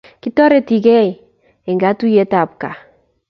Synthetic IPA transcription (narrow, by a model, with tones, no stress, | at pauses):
ki˦tɔ˦ɾɛ˦ti˨ɡɛ˦i˨ | ɛ˨ŋɡa˨˦tu˦je˨˦ta˨pka˨